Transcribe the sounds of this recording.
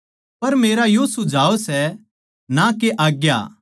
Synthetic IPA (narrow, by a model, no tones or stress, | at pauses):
pɐɾmeːɾajosʊd͡ʒʱaːosɛ | nakeʔaːɡja̰ː